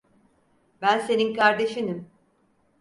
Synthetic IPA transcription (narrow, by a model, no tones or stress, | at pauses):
bænse̞ninkaɾd̪e̞ʃinim